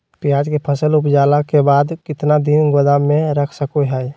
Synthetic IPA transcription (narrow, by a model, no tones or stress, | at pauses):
pijaːd͡ʒkepʰəsəlʊpd͡ʒaːlakebaːd̪kɪt̪nad̪inɡod̪amẽɾəkʰsəkoɦɛj